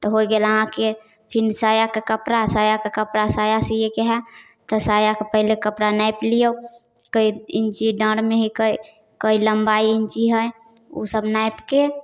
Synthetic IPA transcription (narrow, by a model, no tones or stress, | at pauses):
t̪ɔɦojɡeləɦãke | pʰinsajakekəpɾasajakekəpɾasajasejekɛɦɛ | t̪ɔsajakepəɦɪlekəpɾanajplijə | kəiint͡ʃiɖə̃ɽmeɦikəj | kəiləmbaiint͡ʃiɦəj | ṵsəbnajpke